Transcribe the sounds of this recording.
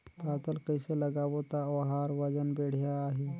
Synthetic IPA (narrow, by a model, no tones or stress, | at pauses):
paːt̪əlkəɪselɐɡaːwot̪aʋɐɦaːɾʋɐd͡ʒənbeːɽ̤jaːɦi